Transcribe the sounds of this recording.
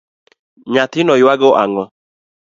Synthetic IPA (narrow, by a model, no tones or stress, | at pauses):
ɲat̪ɪnɔjwaɡɔʔaŋɔ